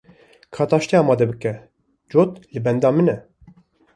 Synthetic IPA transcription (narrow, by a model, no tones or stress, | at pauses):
kʰɑːt̪ɑːʃt̪iɑːmɑːd̪ɛbɨkɛ | d͡ʒot̪lɨbɛnd̪ɑːmɨnɛ